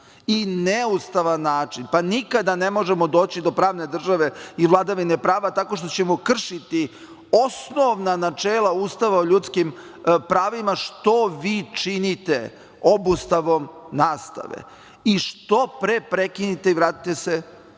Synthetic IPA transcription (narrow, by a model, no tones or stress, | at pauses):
ineust̪aʋanːaːt͡ʃinpanikad̪anemo̞ʒemo̞d̪o̞ːt͡ɕid̪o̞pɾaːʋne̞d̪r̩ʒaʋe̞iʋlˠad̪aʋine̞pɾaːʋat̪ako̞ʃt̪o̞t͡ɕe̞mokr̩ʃit̪i | o̞snoʋnanat͡ʃeːlˠauːst̪aʋaoʎuːt̪skim | pɾaːʋimaʃt̪o̞ʋit͡ʂinit̪e | o̞bust̪aʋo̞mnaːst̪a̰ʋḛ | iʃt̪o̞pɾepɾe̞kinit̪e̞iʋɾaːt̪i̥t̪ese